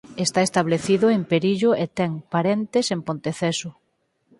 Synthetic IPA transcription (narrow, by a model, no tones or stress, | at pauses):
est̪aest̪aβleθiðʊempeɾiʎʊet̪ɛŋpaɾent̪esempõnt̪eθesʊ